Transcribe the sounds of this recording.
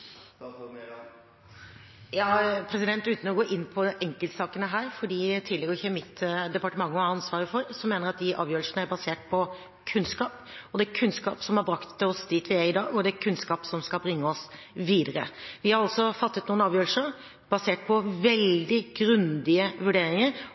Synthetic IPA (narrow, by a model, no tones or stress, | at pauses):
jɑːpʰɾɛsɪd̪ɛnt̪ʉːt̪n̩ɔɡoːʔɪnːpʰɔʔɛŋkəlt̪sɑːkənəɦæːɾfɔɖiːt̪ʰɪːlɛɡəɾɪçɛmɪt̪ːd̪ɛpɑʈəmɑŋːəɑnsʋɑːɾəfɔɾsɔmːeːnəɾɑt̪̚d̪ɪʔɑ̰ːʋjøːɾlʂənəæɾbɑseːʈ̚pʰɔ | kʰʉnskɑːp | ɔd̪ɛkʰʉnskɑ̰ːpsɔmhɑɾbɾɑkt̪d̪ɛɔsd̪ɪt̪ʋɪæɪd̪ɑːɡɔd̪ɛkʰʉnskɑːpsɔmskɑbɾɪŋːəɔs | ʋiːd̪əɾə̰ʋɪhɑɾɑlsɔfɑt̪ːət̪nuːənɑːʋjøːlʂsəɾ | b̥ɑseːʈ̚pʰɔʋɛld̪ɪɡ̥ɾʉnd̪ɪəʋʉɖeːɾɪŋəɾ